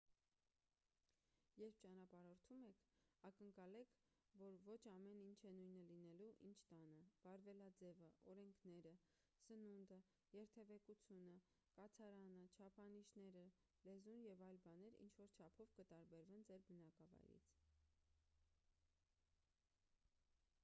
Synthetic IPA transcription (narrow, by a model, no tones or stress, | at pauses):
jɛɾpʰt͡ʃɑnɑpɑɾɔɾt̪ʰumɛkʰɑkəŋkɑlɛkʰ | vɔɾvɔt͡ʃʰɑmɛnint͡ʃʰɛnujnəlinɛluʔint͡ʃʰt̪ɑnəb̥ɑɾvɛlɑd͡zɛvəʔɔɾɛŋkʰnɛɾə | sənund̪ə | jɛɾt̪ʰɛvɛkut͡sʰjunə | kɑt͡sʰɑɾɑnət͡ʃʰɑpʰɑniʃnɛɾə | lɛzunjɛvɑjlbɑnɛɾḭnt͡ʃʰvɔɾt͡ʃʰɑpʰɔvkət̪ɑɾbɛɾvɛnd͡zɛɾbənɑkɑvɑ̰jɾḭt͡sʰ